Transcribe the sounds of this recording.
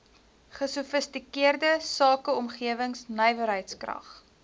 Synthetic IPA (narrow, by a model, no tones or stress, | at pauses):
χəsufəstikiərdəsɑːkəɔmχiəvəŋsnəjvəɾɦəjtskrɐ̰χ